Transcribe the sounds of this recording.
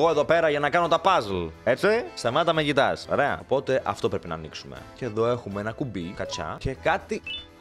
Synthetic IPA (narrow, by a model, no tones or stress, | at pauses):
o̞e̞ðo̞pe̞ɾɐʝɐnɐkɐno̞t̪ɐpɐzlet͡sisɐmeɐt̪ɐmeʝit̪ɐso̰ɾe̞ɐ̰opo̞t̪e̞ʔɐft̪o̞pɾe̞pinɐ̰ːniksumḛceːðo̞e̞xumeenɐkubikɐcɐ̰ce̞kɐt̪i